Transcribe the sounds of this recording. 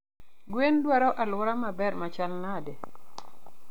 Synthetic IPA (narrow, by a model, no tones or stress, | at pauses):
ɡwendwaɾɔʔalwʊɾamabɛrmat͡ʃalnade